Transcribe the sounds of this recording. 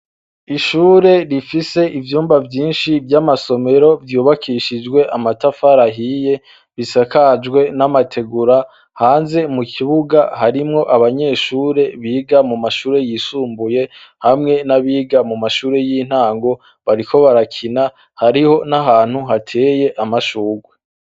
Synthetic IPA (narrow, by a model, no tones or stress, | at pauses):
iʃuːɾe̞ɾifise̞ʔivjuːmbavjiːnʃivjamaso̞me̞ɾo̞vjuːβakʰiʃid͡ʒwe̞ʔamatafaɾaɦiːje̞ | βisakad͡ʒɡwe̞namatʰe̞ɡuɾa | haːnze̞mukʰiβuɡahaɾimŋo̞ʔaβaɲe̞ːʃuːɾe̞βiːɡamumaʃuːɾe̞jiːsuːmbuje̞hamŋe̞naβiːɡamumaʃuːɾe̞jiːn̥haːŋɡo̞ | βaɾikʰo̞βaɾakʰina | haɾiho̞naɦaːn̥huɦatʰe̞ːje̞ʔamaʃuːɡwe